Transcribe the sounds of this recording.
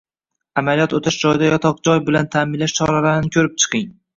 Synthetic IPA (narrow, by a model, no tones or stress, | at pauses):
amalijɒt̪ot̪ʰaʃd͡ʒɒjd̪ajɒt̪ʰɒq̚d͡ʒɒjbɪlant̪ʰamɪnlaʃt͡ʃʰɒɾalaɾɪnɪkʲʰɵɾɪp̚t͡ʃʰɨ̥qʰɨɪŋ